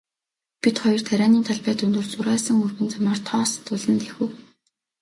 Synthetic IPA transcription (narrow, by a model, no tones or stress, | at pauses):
pit̪χɔjɞ̆r̥t̪ʰæɾʲaːniːnt̪ʰaɮpæːt̪ɵnt̪ɵ̆rt͡sʊɾæːsə̆ŋɵrɣɘ̆nt͡samaːrt̪ʰɔːst̪ʊɮə̆nt̪exɘ̆w